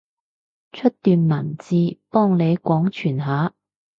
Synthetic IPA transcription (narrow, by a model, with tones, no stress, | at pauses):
t͡ʃʰɵ˥t̚t̪yː˨nmɐ˨˩nt͡siː˧pɔː˥ŋle˨˧jkʷɔː˨˥ŋt͡ʃʰyː˨˩nɦaː˨˧˥